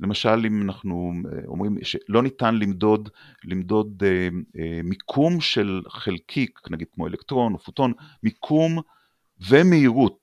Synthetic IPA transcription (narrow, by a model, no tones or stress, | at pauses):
lemaʃalimanaχnṵomʁimʃelo̞nitanlimdo̞d | limdo̞d̪emikʰumʃelχelkʰiknaɡid̥̪̚kmo̞elekt̪ʁo̞nofut̪o̞nmikʰum | ve̞meiʁut̚